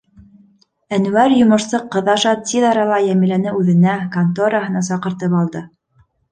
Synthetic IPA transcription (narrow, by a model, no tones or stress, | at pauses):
ænwæɾjŏmɤ̆ʃsɤqːɤ̆ðɑʃɑt̪iðɑɾɑlˠɑjæmɘ̆lænɘʉðɘ̆nækant̪oɾɑɦɤ̆nɑsɑqɤ̆ɾt̪ɤpɑlˠd̪ɤ